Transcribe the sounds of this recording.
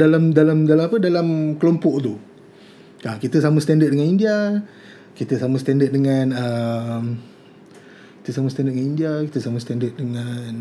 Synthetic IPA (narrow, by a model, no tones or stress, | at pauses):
dalamdalamdalamapədalamkəlompɔʔt̪u | kakit̪əsaməst̪andət̪̚dəŋanindia | kit̪əsaməst̪andət̪̚dəŋanəm | ki̥t̪əsaməst̪ãndət̚dəŋanindiakit̪əsaməst̪andət̪̚dəŋan